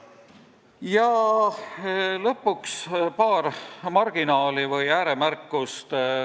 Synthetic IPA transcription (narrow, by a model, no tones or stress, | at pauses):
jɑ | lɤpːˑukspɑːrmɑrɡ̥inɑːlivɤjæːɾemærkːˑust̪